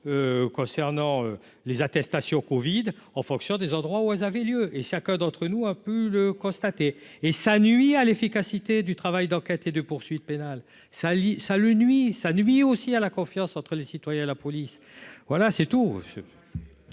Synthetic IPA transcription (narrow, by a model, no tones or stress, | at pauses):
økɔ̃sɛʁnɑ̃ø | lezat̪ɛst̪asjɔ̃kɔvid̪ | ɑ̃fɔ̃ksjɔ̃d̪ezɑ̃d̪ʁwauɛlzavɛljøʔeʃakʲɛ̃d̪ɑ̃t̪χənuapøləkɔ̃st̪at̪eːsanɥialefikasit̪ed̪yt̪χavajd̪ɑ̃kʲɛt̪ed̪əpuʁsɥit̪̚penal | salisalənɥisanɥiosialakɔ̃fjɑ̃sɑ̃t̪χəlesit̪wajɛ̃elapɔlis | vwalasɛt̪ṵs